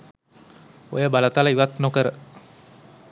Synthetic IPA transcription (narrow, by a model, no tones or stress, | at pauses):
o̰jəbalat̪alaiʋat̪nokəɾə